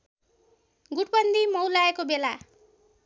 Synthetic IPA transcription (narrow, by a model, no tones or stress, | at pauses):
ɡuʈpʌnd̪imʌwlaekobela